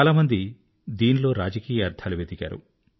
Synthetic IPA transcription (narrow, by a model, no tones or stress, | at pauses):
alaːmɐnd̪i | d̪iːnilo̞ːɾaːd͡ʒɐkiːjɐɐɾd̪ʰaːluʋeːd̪iɡa̰ːɾṵ